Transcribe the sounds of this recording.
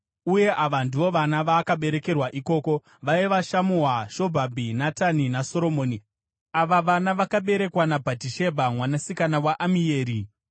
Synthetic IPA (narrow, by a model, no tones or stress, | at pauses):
uje̞ʔaʋanduʋo̞ʋanaʋaːkaɓe̞ɾe̞ke̞rwaʔiko̞ːko̞ | ʋaiʋaʃamuɦaʃo̞bʱabʱinataninaso̞ɾo̞mo̞ːni | aʋaʋanaʋakaɓe̞ɾe̞kwanabʱatiʃe̞bʱamwanasikanawaʔamie̞ːɾi